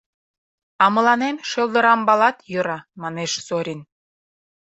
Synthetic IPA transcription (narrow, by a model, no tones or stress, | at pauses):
ɑmə̆lɑnemʃəlˠd̪ə̆ɾɑmbɑlɑt̪jøɾɑmɑneʃsoɾʲin